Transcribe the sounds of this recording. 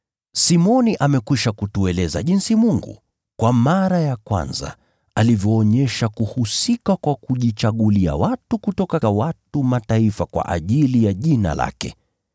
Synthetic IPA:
simɔniʔamɛkwiʃakutuɛlɛza̰ʄinsimuŋɡṵ | kwamaɾajakwa̰nza̰ | alivjɔːɲɛʃakuhusikakwakuʄit͡ʃaɠulia̰watukutɔkawatumataifakwa̰ʔa̰ʄilijaʄina̰la̰kɛ̰

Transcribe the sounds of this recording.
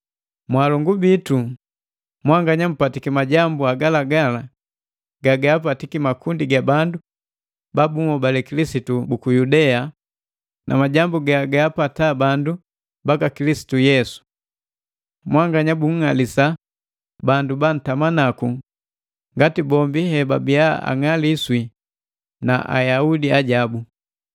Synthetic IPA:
mwalɔŋɡubitu | mwaŋɡaɲam̩patikimaɟambuaɡalaɡala | ɡaɡaapatikimakundiɡabandu | babumɔbalɛkilisitubukujudɛa | nʔa̰maɟambuɡaaɡaːpatabandu | bakakilisi̥tujɛsu̥ | mwaŋɡaɲabuŋ̩ŋalisa | banduban̩tamanaku | ŋɡatibɔmbihɛbabija̰a̰ŋaliswi | na̰ʔa̰jaudiaɟabu

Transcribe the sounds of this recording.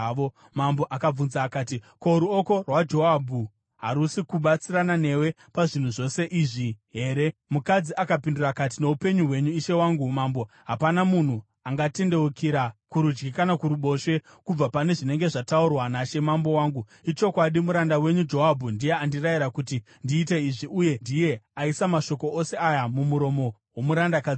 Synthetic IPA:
o | mambo̞ʔakab͡vunzaːkaːtiko̞ɾuo̞ko̞rwad͡ʒo̞ɦabʱu | ɦaɾusikuɓat͡siɾanane̞we̞ | paʐin̤uʐo̞se̞ʔiːʐiɦe̞ːɾe̞mukad͡ziakapindurakat̬ine̞upe̞ɲuɦwe̞ɲuiʃe̞waːŋɡumambo̞ | ɦapanamun̤u | aŋɡate̞nde̞wukʰiɾakuɾud͡ʒɡikanakuɾuɓo̞ʃe̞ | kub͡vapane̞ʐine̞ŋɡe̞ʐataurwanaʃe̞mambo̞waːŋɡu | it͡ʃo̞kwaɗimuɾandawe̞ɲud͡ʒo̞ɦabʱundije̞andirajiɾakuti | ndiːt̬e̞iʐiʔuje̞ndije̞aisamaʃo̞ko̞ʔose̞ajamumuɾo̞mo̞wo̞muɾandakad͡zi

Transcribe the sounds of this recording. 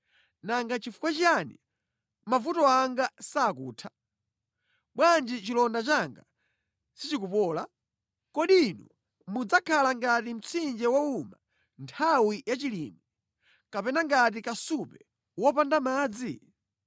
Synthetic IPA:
naŋɡat͡ʃifu̥kwat͡ʃianḭ | mavutɔaŋɡasaːkuːtʰḁ | ɓwand͡ʒit͡ʃilɔndat͡ʃaŋɡa | sit͡ʃikupɔːla | kɔɗinɔ̰ | mud͡zakʰalaŋɡatim̩t͡sʰind͡ʒɛwɔuma | ntʰawijat͡ʃilḭːmi | kapɛnaŋɡat̬ikasupɛ | wɔpandamaːd͡zi

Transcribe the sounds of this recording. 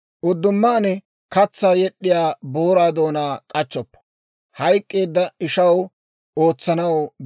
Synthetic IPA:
ʔʊd̪ːʊmːaːnɛ | kɐt͡sːaːjɛɗːɪjaːboːɾaːd̪o̞ːnaːkʼɐt͡ʃːɔpːɐ̥ | hɐjkʼːe̞ːd̪ːɐɪʃɐw | o̞ːt͡sːɐnɐw

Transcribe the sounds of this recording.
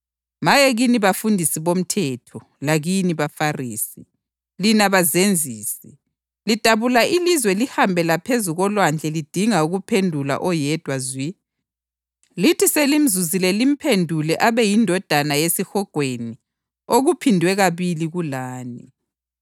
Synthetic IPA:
majeɣiniβafundʱisiβom̩tʰɛtʰɔ | laɣiniβafariːsi | linaβazend͡zʱiːsɛ | litaβulaʔilizwɛlihambʱɛlapʰezuɣɔlwand͡ɮʱɛlid̥ʱiŋauɣupʰendʱula̰ʔɔjɛd̥ʱwazwi | litʰiselim̩zuzilɛlim̩pʰendʱulɛʔaβɛjindʱɔd̥ʱanajesixɔɡ̥ʱweni | oɣupʰindʱwɛɣaβiliɣulaːni

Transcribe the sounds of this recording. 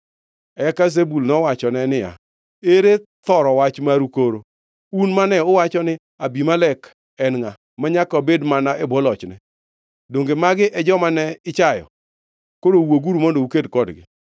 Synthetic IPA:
ɛkazebulnɔwat͡ʃɔnɛnɪja̰ | eɾet̪ɔɾɔwat͡ʃmaɾukoɾo | unmanɛʊwat͡ʃɔnɪ | abimalɛk | ɛnŋa | maɲakɔbedmanaʔɛbɔlɔt͡ʃnɛ | doŋɡemaɡɪʔɛd͡ʒɔmanɛɪt͡ʃajɔ̰ | kodowoɡuɾumɔndoukedkɔdɡɪ̰

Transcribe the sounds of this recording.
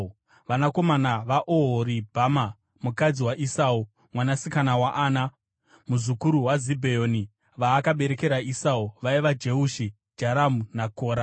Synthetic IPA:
ʋanako̞manaʋaʔoɦoɾibʱama | mukad͡ziwaʔisau | mwanasikanawaʔaːna | muzukuɾuwazibʱejoːni | ʋaːkaɓe̞ɾe̞ke̞ɾaisauʋaiʋad͡ʒe̞uʃi | d͡ʒaɾamunakoːɾa

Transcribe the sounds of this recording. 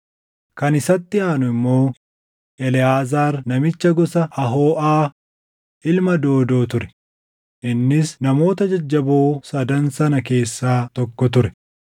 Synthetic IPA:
kɐnɪsɐt̪ːɪaːnʊɪmːo̞ː | ʔɛlɪaːzaːɾnɐmɪt͡ʃːɐɡɔsɐʔɐɦo̞ːʔaː | ʔɪlmɐd̪o̞ːd̪o̞ːt̪ʊɾɛ̥ | ʔɪnːɪsnɐmo̞ːt̪ɐd͡ʒɐd͡ʒːɐboːsɐd̪ɐnsɐnɐke̞ːsːaːt̪ɔkːɔt̪ʊɾɛ̥

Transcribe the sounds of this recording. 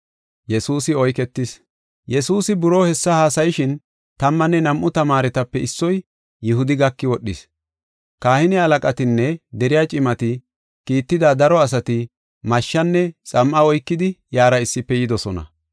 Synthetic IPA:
jɛsuːsɪɔjkɛt̪ːɪs | jɛsuːsɪbʊɾoːhɛsːɐhaːsɐjɪʃɪn | t̪ɐmːɐnːɛnɐmʔʊt̪ɐmaːɾɛt̪ɐpːɛɪsːɔj | jɪhʊd̪ɪɡɐkːɪwɔɗːɪs | kaːhɪnɪɐlɐkʼɐt̪ɪnːɛd̪ɛɾɪjaːt͡ʃʼɪmɐt̪ɪ | kiːt̪ːɪd̪aːd̪ɐɾɔɐs̬ɐt̪ɪ | mɐʃːɐnːɛt͡sʼɐmʔɐɔjkːɪd̪ɪjaːɾɐɪsːɪpːɛjɪd̪ɔsɔnɐ̰

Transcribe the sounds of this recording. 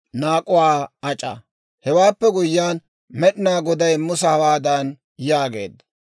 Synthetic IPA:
naːkʼʊwaːɐt͡ʃʼɐ̰ | hɛwaːpːɛɡʊjːaːn | mɛɗɪnaːɡɔd̪ɐjmʊsɐhɐwaːd̪ɐn | jaːɡe̞̰ːd̪ːɐ̥

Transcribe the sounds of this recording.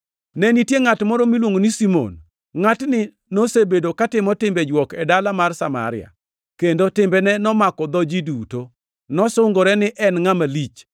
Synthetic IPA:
nɛnitjeŋatmɔɾɔmilwoŋonisimo̰n | ŋatnɪ | nosebedokatɪmɔtɪmbɛd͡ʒwɔkɛdalamarsama̰ɾɪa̰ | kendotɪmbɛnɛnɔmakɔd̪ɔd͡ʒiduto | nɔsʊŋɡoɾɛnɪʔɛnŋamalit͡ʃ

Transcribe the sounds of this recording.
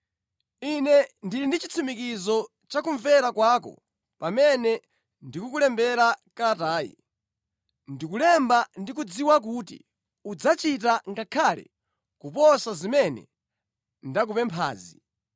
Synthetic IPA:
inɛndilindit͡ʃit͡sʰimikizɔ | t͡ʃakuɱvɛɾakwakɔ̰ | pamɛnɛ | ndikukulɛmbɛɾakataːjḭ | ndikulɛmbandikud͡ziwak̬utḭ | ud͡zat͡ʃit̬aŋɡakʰalɛ̰ | kupɔsazimɛnɛ̰ | ndak̬upɛmpʰa̰ːzi

